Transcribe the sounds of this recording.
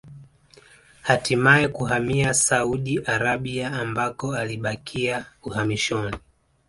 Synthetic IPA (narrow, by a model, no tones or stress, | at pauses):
hatimaɛkuɦamiasauɗiʔaɾaɓiaːmbakɔaliɓakʰiauhamiʃɔni